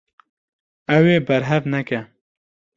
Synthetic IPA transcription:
ɛweːbɛɾɦɛvnɛkɛ

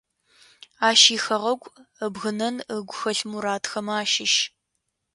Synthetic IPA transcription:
aːʃiːxɐʁɐɡʷʼəbɣɨnɐnəɡʷʊxɐɬmuɾaːtʰxɐmaːʃɪʃ

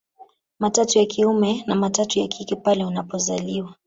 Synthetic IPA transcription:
matatujakʰiumɛnamatatujakʰikɛpalɛunapɔzaliwa

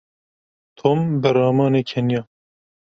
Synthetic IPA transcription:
t̪ʰoːmbɨɾɑːmɑːneːkʰɛnjɑː

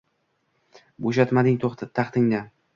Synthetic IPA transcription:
boʃat̪mad̪ɪŋt̪ʰoχt̪ʰat̪ʰɑχt̪ɪŋd̪a

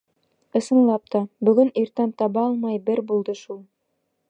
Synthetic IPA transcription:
ɤ̆sɤ̆nlˠɑp̚t̪ɑbɵ̆ɡɵniɾt̪ænt̪ɑβɑɑlˠmɑjbɘɾbulˠd̪ɤʃulˠ

